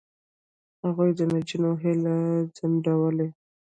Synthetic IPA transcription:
haɣujd̪ənad͡ʒinoɦɪlad͡zaɳɖawəle

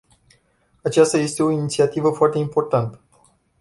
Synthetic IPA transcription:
at͡ʃast̪aje̞st̪e̞o̞init̪siat̪ivəfoart̪e̞impo̞rt̪ant̪ə̥

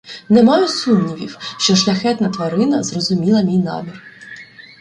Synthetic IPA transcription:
nɛmɑjʊsumnʲiʋʲiwʃt͡ʃɔʃlʲɐxɛt̪nɐt̪ʋɐɾɪnɐzrɔzʊmʲilˠɐmʲijnɑ̰mʲir

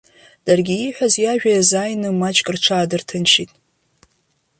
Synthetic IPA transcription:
d̥arɡʲiːħʷᶣazjaʒᶣajazajnɨmat͡ʃʼkʼɨrʈ͡ʂʷʰaːdɨrtʰɨnʃitʼ

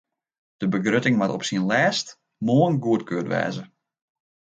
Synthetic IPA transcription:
d̥əbəɡrøtɪŋmatɔ̰psinlɛːst | moənɡuətkøːtʋɛ̰ːzə

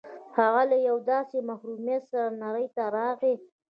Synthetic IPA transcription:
haɣalajawd̪ɑsemahɾumjat̪saɾanaɾəjt̪aɾɑɣe

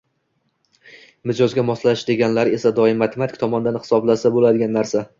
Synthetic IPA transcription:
mɪd͡ʒɒzɡʲamɒslaʃd̪e̞ɡʲanlaɾe̞sad̪ɒɪmat̪ʰemat̪ʰɪ̥kʲt̪ʰɒmɒnɪd̪anhɪ̥sɒblasabolad̪ɪɡʲanːaɾsa

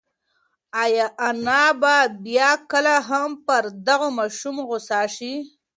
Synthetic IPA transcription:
ajɑʔanababjɑkəlaɦampəɾd̪aɣomɑʃumɣʊsɑʃi

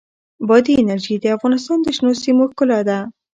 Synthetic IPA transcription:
bɑd̪iɪnaɾʒid̪əafɣɑnɪst̪ɑnd̪əʃnosimokʊlad̪a

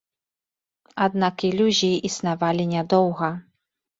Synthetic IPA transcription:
ad̪nakilʲuʑiʔːsnavalʲiɲʲɛd̪ɔwɣɐ

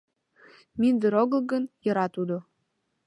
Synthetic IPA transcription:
mind̪əɾoɣə̆lɣənjɤ̆ɾɑt̪ud̪o

